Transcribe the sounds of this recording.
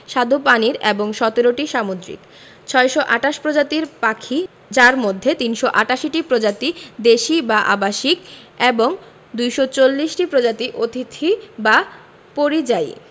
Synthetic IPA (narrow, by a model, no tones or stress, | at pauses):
ʃad̪ʱopaniɾeboŋʃɔt̪eɾoʈiʃamod̪ɾḭk | t͡ɕʰɔeʃoʔaʈaʃpɾod͡ʑat̪iɾpakʰi | d͡ʑaɾmod̪ʱːet̪inʃoʔaʈaʃiʈipɾod͡ʑat̪id̪eʃibaʔa̰baʃik | eboŋ | d̪ujʃot͡ɕolːiʃʈipɾod͡ʑat̪iʔot̪ʰit̪ʰiba | poɾid͡ʑaj